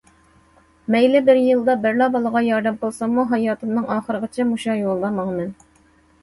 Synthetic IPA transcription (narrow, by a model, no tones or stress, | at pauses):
mɛjlɪbɪɾjɨlˠd̪ɑbɪɾlˠɑbɑlˠəʁɑjɑɾd̪ɛmqəlˠsɑmːuɦɑjɑːt̪ʰɨmnɨŋɑːχəɾəʁət͡ʃʰɛmuʃɑjolˠːɑmɑŋmɛn